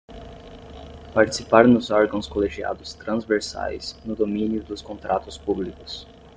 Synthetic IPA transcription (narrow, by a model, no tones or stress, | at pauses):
paɾt͡ʃi̥sipaɾnʊzɔɾɡɐ̃w̃skoleʒia̰d̪ʊst̪ɾɐ̃zveɾsa̰jznʊd̪omĩnjʊd̪ʊskõnt̪ɾʔat̪ʊspublikʊ̥s